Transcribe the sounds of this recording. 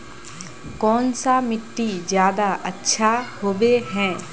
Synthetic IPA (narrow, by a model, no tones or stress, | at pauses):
kɔːnsamɪʈːid͡ʒjaːd̪aʔɐtːʃʰahoːbeɦɛ̃ː